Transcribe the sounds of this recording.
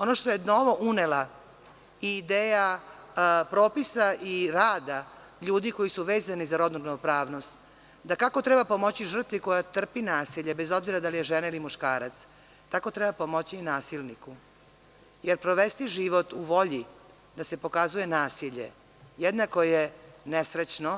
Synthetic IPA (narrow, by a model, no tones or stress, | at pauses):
o̞noʃt̪ojenoʋo̞ʔunela | iːd̪eːja | pɾoːpisaʔiɾaːd̪a | ʎuːd̪iko̞jisuʋeːzanizaɾo̞d̪nuɾnopɾaːʋno̞st̪ | d̪akako̞t̪ɾebapo̞mo̞t͡ɕiʒr̩t̪ʋiko̞jat̪r̩pinaːsiʎebe̞zo̞bziɾad̪alijeʒenailimuʃkaːɾat̪s | t̪ako̞t̪ɾɛbapomot͡ɕinaːsilˠniku | jeɾpɾoʋest̪iʒiːʋo̞t̪uʋo̞ʎi | d̪ase̞po̞kazuje̞naːsiʎḛ | jed̪nakojjenesɾet͡ɕno